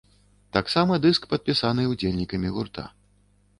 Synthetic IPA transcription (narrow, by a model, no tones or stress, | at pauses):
t̪aksamɐd̪ɨskpɐt̪̚pʲisanɨwd͡zʲelʲnʲikɐmʲiɣurt̪a̰